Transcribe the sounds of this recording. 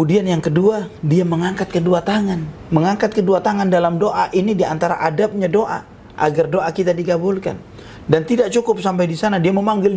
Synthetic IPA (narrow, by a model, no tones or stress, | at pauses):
udianjaŋkəduadiaməŋaŋkat̪̚kəduat̪aŋanməŋaŋkat̪̚kəduat̪aŋandalamdoʔaʔinidiant̪aɾaʔadap̚ɲadoʔa̰ | ʔa̰ɡardoʔakit̪adiɡabʊlka̰n | dant̪idaʔ̚t͡ʃukʊp̚sampajdisanadiaməmaŋɡɪl